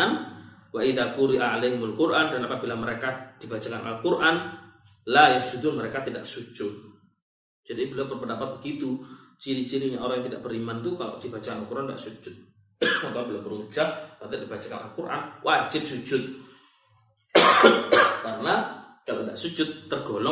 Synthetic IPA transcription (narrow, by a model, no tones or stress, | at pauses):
nwaʔiðakuɾiʔaalejɦɪmalkʊɾʔandanapabilaməɾekad̥ibat͡ʃakanʔa̰lkurʔan | lajasud̪unməɾekat̪ida̰ʔsud͡ʒʊt̪̚ | d͡ʒ̥adibilawpərpəndapat̪̚bəɡit̪ut͡ʃiɾit͡ʃiɾiɲaoɾaŋjaŋt̪̬ida̰ʔ̚b̥əɾimant̪ukalo̰ʔdibat͡ʃakanalkuɾʔanda̰ʔsud͡ʒʊt̪̚ | akabilawbəɾuŋd͡ʒawat̪ɪdibat͡ʃaka̰na̰lkurʔa̰nwʔad͡ʒɪt̪̚sud͡ʒʊt̪̚ | kaɾəna | kalodaʔsud͡ʒʊt̪ːərɡolɔ